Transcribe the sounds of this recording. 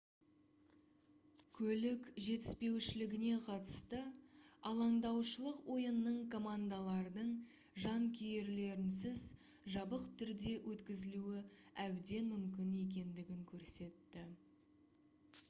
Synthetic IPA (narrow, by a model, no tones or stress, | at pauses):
kʲʰɵlɪkʒe̞t̪ɪ̥spe̞wʃɪlɪɡʲɪne̞qʰɑt̪ə̥st̪əɑlˠɑɴd̪ɑwʃəlˠəqwo̞jənːəɴkʰo̞mand̪alˠɑɾd̪əɴ | ʒɑŋkʲʰije̞ɾle̞ɾɪnsɪz | ʒɑbəqt̪ʰʏɾd̪e̞wʔɵt̪kʲɪzɪluwɪæbd̪e̞nmʏmkʲɪne̞k̬ʲe̞nd̪ɪɡʲɪŋkʲʰɵɾse̞t̪ːɪ